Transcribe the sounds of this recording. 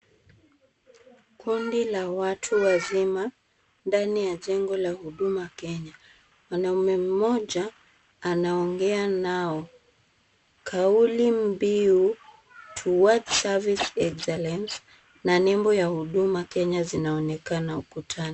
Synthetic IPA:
kundilawatʰuwazima | ndanijaʄɛŋɡɔlahuɗumakɛɲa | wanaumɛm̩mɔʄaː | naɔŋɡɛanaɔ | kʰaulim̩biu | tʰuwadsavisɛksɛlɛns | nanɛmbɔjahuɗumakɛɲazinaɔnɛkanaukutʰanɔ

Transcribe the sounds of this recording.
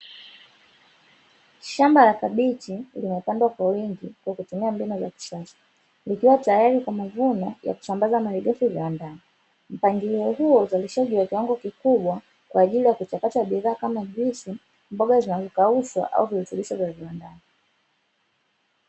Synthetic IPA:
ʃambalakaɓitilimɛpandwakwawiŋɡikwakutumiambinɔzaki̥ʃasḁ | likiwatajaɾikwamavunɔja̰ku̥sambazamaɾiɡɛfuviwandani | m̩paŋɡiiɔhuɔuzaliʃaʄiwakiwaŋɡɔkikuɓwa | kwaːʄilijakut͡ʃakataɓiðaːkamavisi | mbɔɡazinazɔkauswa̰ʔa̰uviɾutuliʃɔvjaviwandani

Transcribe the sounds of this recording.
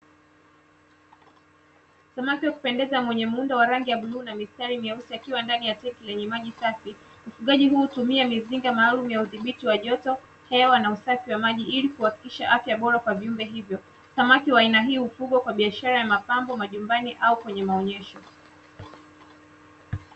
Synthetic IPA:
samakiwaku̥pɛndɛzamwɛɲɛm̩undawaɾaŋɡijaɓluːnamistaɾimiausiakiwandanijatɛkilɛɲɛmaʄisafi | ufuɠaʄiɦuːutumiamiziŋɡamaːlumujauðiɓitiwaʄɔtɔ | hɛwanausafiwamaʄiilikuhaki̥kiʃa̰ʔafjaɓɔɾakwaviumbɛɦivjɔ | samakiwaːinaɦiːufuɠɔkwaɓiaʃaɾajamapambɔmaʄumbaniʔaukwɛɲɛmaɔɲɛʃɔ

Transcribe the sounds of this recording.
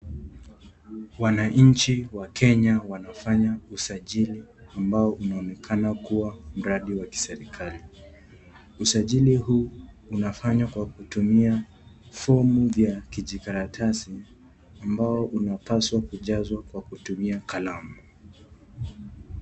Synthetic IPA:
wanaɲ̩t͡ʃiwakɛɲawanafaɲausaʄiliambaɔʔunaɔnɛkʰanakuwam̩ɾaɗiwaki̥sɛɾikʰali | usaʄilihuː | nafaɲwakwakutumia | fɔmuvjakiʄikaɾatʰasi | ambaɔʔunapaswakuʄazwakwakutumiakalamu

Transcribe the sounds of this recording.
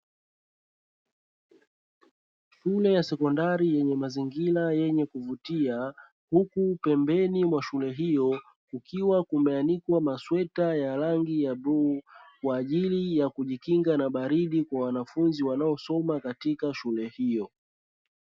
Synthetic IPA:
ʃulɛjasɛkɔndaɾijɛɲɛmaziŋɡilajɛɲɛkuvutia | hukupɛmbɛnimwaʃulɛɦijɔ | kukʰiwakumɛanikwamaswɛtajaɾaŋɡijaɓukwaːʄilijakuʄikiŋɡanaɓaɾiɗikwawanafunziwanaɔsɔmakatikaʃulɛhijɔ

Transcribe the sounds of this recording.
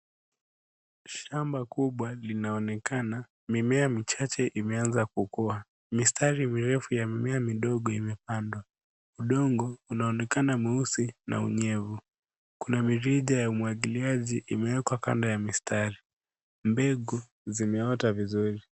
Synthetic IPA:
ʃambakuɓwalinaɔnɛkana | mimɛamit͡ʃat͡ʃɛʔimɛanzakukɔa | mistaɾimiɾɛfujamimɛamiɗɔɠɔimɛpandwa | uɗɔŋɡɔunaɔnɛkanamiusinʔa̰ṵɲɛvu | kunamiɾiʄajaumwaɠiliaʄiʔimɛwɛkwaka̰ndajamistʰaɾi | mbɛɡu | zimɛɔtavizuɾi

